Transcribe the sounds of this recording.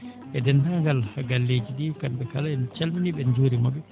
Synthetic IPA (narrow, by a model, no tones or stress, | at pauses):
ʔɛdɛntaŋɡalhaɡalːed͡ʒiɗikambɛkalaɛnt͡ʃalminiɓɛnd͡ʒoːɾimɔbɛ